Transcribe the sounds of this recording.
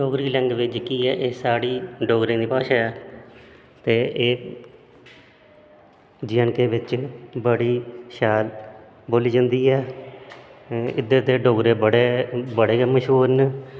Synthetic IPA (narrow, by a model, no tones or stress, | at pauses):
ɖoːɡɾiːlɛ̃ŋɡʋɪt͡ʃkiːɛːʔeːsaːɽiːɖoːɡɾẽːd̪iːpaːʃaːɛː | t̪eːʔeː | d͡ʒɪjənkeːʋɪt͡ʃbəɽiːʃaːl | boːliːd͡ʒə̃nd̪iːɛː | ɪ̰d̪əɾd̪eːɖoːɡɾeːbəɽeːbəɽeːkːməʃɦuːɾn